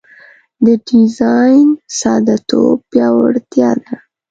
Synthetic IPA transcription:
d̪əɖizɑjnsɑd̪at̪o̰pjɑwaɽt̪jɑd̪a

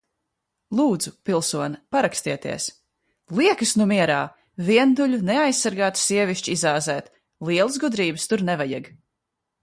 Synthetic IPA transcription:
lˠuːd̪z̥upilˠsuɔnɐpaɾakst̪iɛt̪ḭɛs | lˠiɛkɨsnumiɛɾaː | viɛnd̪uʎunɛajsːaɾɡaːt̪u̥siɛviʃt͡ʃizaːzɛːt̪ | lˠiɛlˠəs̬ɡud̪ɾiːbɨst̪uɾnɛvajaɡ

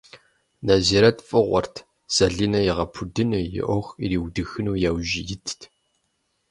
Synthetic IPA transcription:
naziːɾɐtʰfʼɨʁʷɔ̰rtʰ | z̥ɐɮiːnɐjɪʁɐpʰudɨnɨjɪ̰ʔɔxiɾiːwdɨxɨnuːjaːwʒɪjɪtʰtʰ

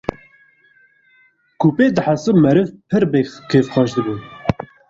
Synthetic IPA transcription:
kʰuːpeːd̪ɨħasɨmɛɾɨvpʰɨɾbekʰeːvxɑːʃd̪ɨbun

